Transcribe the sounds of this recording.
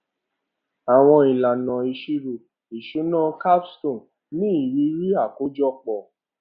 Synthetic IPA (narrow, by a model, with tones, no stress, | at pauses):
a˨w̃ɔ̃˧i˨la˨nã˨i˧ʃi˦ɾu˦˨ | i˨ʃu˨˦nã˦ka˦pstõ˦˨n | nĩ˦i˦˨ɾi˨˦ɾi˦a˦˨ko˦d͡ʒɔ˦k͡pɔ˨